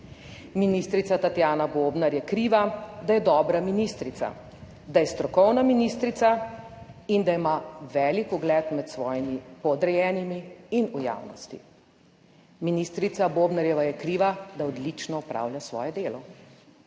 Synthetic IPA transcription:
miniːst̪ɾit̪sat̪at̪jaːnaboːbnaɾjɛkɾiʋad̪ajɛd̪ɔːbɾaminist̪ɾit̪sa̰ | d̪ajɛst̪ɾɔkɔwnaminist̪ɾit̪sa | ind̪aimaʋɛːlikuɡlɛt̪mɛt̪sʋɔːjimipɔd̪ɾɛjɛːnimiːnuja̰ːwnɔst̪ḭ | minist̪ɾit̪saboːbnaɾjɛʋajɛkɾiːʋad̪aɔd̪lit͡ʃnɔupɾa̰ːwlʲjasʋɔ̰ːjɛd̪eːlɔ

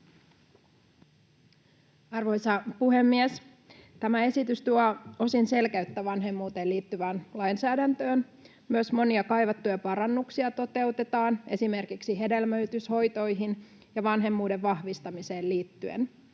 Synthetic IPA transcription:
ɑrʋo̞jsɑpuɦe̞mːies | t̪æmæe̞sit̪yst̪uɑo̞sinse̞lkæyt̪ːæʋɑnɦe̞mːuːt̪e̞ːliːt̪ːyʋæːnlɑjnsæːdænt̪øːn | myøsmo̞niɑkɑjʋɑt̪ːujɑpɑɾɑnːuksiɑt̪o̞t̪e̞ut̪e̞t̪ɑːne̞sime̞rkiksiɦe̞de̞lmøyt̪ysho̞jt̪o̞jɦin | jɑʋɑnɦe̞mːuːdeʋʋɑhʋist̪ɑmise̞ːlliːt̪ːyḛn

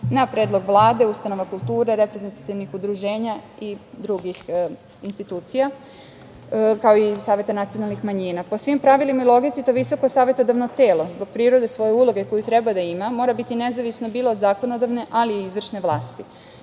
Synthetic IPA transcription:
napɾe̞ːd̪lˠo̞ɡʋlˠaːd̪e̞ust̪ano̞ʋakulˠt̪uːɾe̞ɾepɾeze̞nt̪at̪iʋnixud̪ɾuʒe̞ːɲa | id̪ɾuɡix | inst̪it̪uːt̪sija | kaoisaːʋje̞t̪anat̪sijo̞nalnixmaɲiːnapo̞sʋimpɾaʋilimailˠo̞ɡit̪sit̪oʋiso̞ko̞saːʋe̞t̪od̪aʋno̞t̪e̞ːlo̞zbo̞ɡ̥̚pɾiːɾo̞d̪e̞sʋo̞je̞ulˠo̞ɡe̞ko̞jit̪ɾebad̪aimamo̞ːɾabit̪ine̞zaʋisno̞biːlˠo̞ːd̪zaːko̞nod̪aʋne̞ʔaliizʋr̩ʃne̞ʋlˠaːst̪i

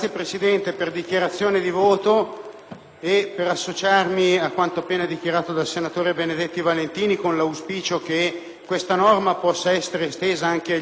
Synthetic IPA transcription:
jepɾesid̪ɛnt̪eperd̪ik̟jaɾat̪sːjoːned̪ivoːt̪o | epːeɾasːot͡ʃarmiakːwant̪oapːeːnad̪ik̟jaɾaːt̪od̪alsenat̪oːɾebened̪et̪ːivalent̪iːnikonlauspiːt͡ʃok̟e | kːwest̪anɔrmapɔsːaɛsːeɾeːst̪eːzaaŋk̟e

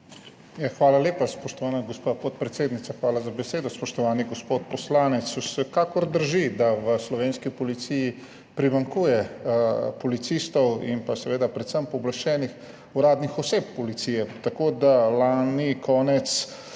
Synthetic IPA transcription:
jaxʋaːlaleːpaspɔʃt̪ɔʋaːnaɡospapɔt̪̚pɾɛt̪seːd̪nit̪saxʋaːlazabɛseːd̪ɔspɔʃt̪ɔʋaːniɡɔspot̪̚pɔslaːnɛt̪susɛkaːkɔɾd̪əɾʒid̪aʋəslɔʋeːnskipɔlit̪siji | pɾimaŋkuːjɛ | pɔlit̪sist̪ɔwḭmpasɛʋeːd̪apɾɛt̪səmpɔblaʃt͡ʃɛːnix | uɾaːd̪nixɔseːp̚ːɔlit̪sijɛt̪akod̪alaːnikʰɔːnɛt̪s

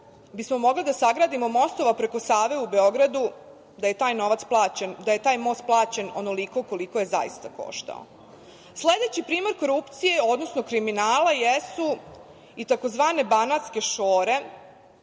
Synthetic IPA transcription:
bismo̞mo̞ɡlid̪asaɡɾaːd̪imo̞mo̞st̪o̞ʋapɾe̞ko̞saːʋeube̞o̞ɡɾad̪u | d̪aje̞t̪aːjno̞ʋat̪splˠaːt͡ɕend̪aje̞t̪aːjmo̞ːst̪̚plˠaːt͡ɕe̞no̞no̞liko̞ko̞liko̞je̞za̰jḭst̪ako̞̰ʃt̪a̰o̰ | sled̪e̞t͡ɕipɾiːmoɾko̞ɾupt̪sije̞o̞d̪nosnokɾiminaːlajesu | it̪ako̞zʋaːne̞banat̪ske̞ʃoːɾe̞

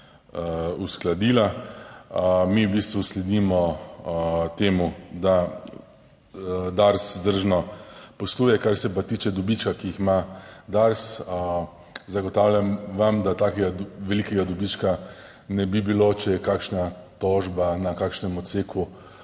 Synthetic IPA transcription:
usklad̪iːla | miwbiːst̪ʋuslɛd̪imɔ | t̪eːmud̪a | d̪aɾszd̪əɾʒnɔpɔsluːjɛkaɾsɛpat̪iːt͡ʃɛd̪ɔbit͡ʃkakiixmad̪aɾsə | zaɡɔt̪aːwlʲjʲamʋamd̪at̪aːkɛɡaʋɛlikɛɡad̪ɔbit͡ʃka | nɛbibilot͡ʃɛjɛkakʃnat̪ɔʒbanakaːkʃnɛmɔt̪seːkʰu

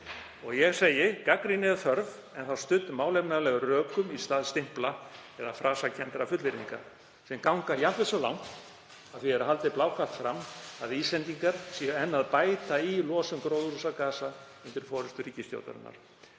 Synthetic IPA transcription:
ɔɣjɛɣseːjɪkakɾinɛðθœɾv | ɛnθawst̪ʏt̪ːmaːwlejpnaðlɛɣʏrœːkʏmist̪aːðst̪ɪm̥plaɛðafɾʔaːsacʰɛnt̪ɾafʏt̪lɪɾiŋka̰ | sɛmkawŋkajavɛsɔla̰wŋ̥t̪ | aðθviɛɾaɦalt̪ɪplaːwkʰat̪fɾamːaðiːslɛnt̪iŋkaɾ̥sɛɛnːaðpaːjt̪ailɔːsʏmkɾoːwðɾusakaːsa | ʏnt̪ɪɾfɔːɾʏst̪ʏɾiːcɪst̪jo̰wt̪a̰ɾʏ̰nːa̰ɾ̥

